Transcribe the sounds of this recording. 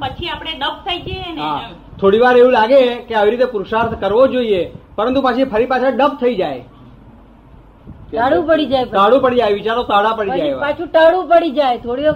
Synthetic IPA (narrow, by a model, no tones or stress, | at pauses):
pət͡ʃʰiapɽ̃eɖəp̚t̪ʰaid͡ʒeenɦa | t̪ʰoɽiʋaɾeʋũlaɡekeaʋiɾit̪epʊɾʃaɾt̪ʰkəɾʋod͡ʒoiepəɾənt̪upət͡ʃʰifʰəɾipat͡ʃʰaɖəb̚t̪ʰəid͡ʒaj | aɽũpəɽid͡ʒaepʈ̪aɽũpəɽid͡ʒajʋit͡ʃaɾot̪aɽapəɽid͡ʒaepat͡ʃʰũʈaɽũpəɽid͡ʒajt̪ʰoɽi